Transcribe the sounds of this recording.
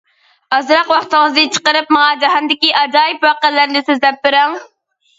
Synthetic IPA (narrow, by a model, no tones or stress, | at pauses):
ɑzɾɑqwɑχt̪ɨŋəzd̪ɨt͡ʃʰə̥qəɾɨp̚mɑŋɑd͡ʒɑɦɑnd̪ɪkʲiʔɑd͡ʒɑːjipwɑqælːæɾnɪsɪzd̪ɛp̚b̪ɪɾɑŋ